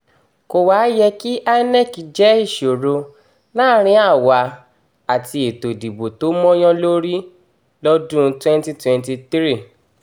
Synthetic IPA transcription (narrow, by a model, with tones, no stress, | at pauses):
ko˧waː˨˦jɛ˧ki˦ʔa˦nɛ˦˨ki˨d͡ʒɛ˨˦i˦˨ʃo˨ɾo˧ | la˦ɾ̃ĩ˧˦a˦˨wa˧ | a˨ti˧e˨to˨di˨bo˨to˨˦mɔ̃˦j̃ɔ̃˦lo˦ɾi˦ | lɔ˦dũ˦˧twɛ̃˦n˦ti˦twɛ̃˧nti˧t̪i˦ɾi˦˨